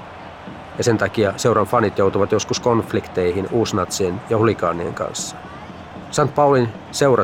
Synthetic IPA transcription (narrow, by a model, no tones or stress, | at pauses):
jɑse̞nt̪ɑkiɑse̞uwɾɑnfɑnit̪jo̞wt̪uʋɑt̪jo̞skusko̞nflikt̪e̞jɦinuːsnɑt̪sienjɑhulikɑ̰ːnːiḛŋkɑ̰nsːɑ̥ | sɑnt̪̚pɑulin | se̞wrʔɑ